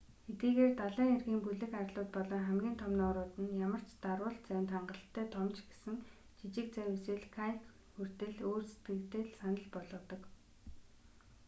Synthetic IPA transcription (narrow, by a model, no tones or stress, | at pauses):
xet̪ɡiːɣeːrt̪aɮæːŋerɣiːmpuɮɘ̆kaɾɮʊːt̪̚pɔɮɔːχæmɡʲiːnt̪ʰɔmnːɾʊːt̪ɘ̆njamə̆r̥t͡ɕt̪arwʊːɬt̪t͡sæwʲnt̪ʰaɴɢə̆ɬt̪ʰːæːt̪ʰɔmt͡ɕɡesɘ̆n | t͡ɕit͡ɕɪ̆k̚t͡sæwesɘ̆ɮkʰajk | xur̥t̪ɘ̆ɮoːrse̥t̪ɡɘ̆kt̪ɘ̆ɮsanə̆ɮpɔɮɞ̆ːt̪ɞ̆k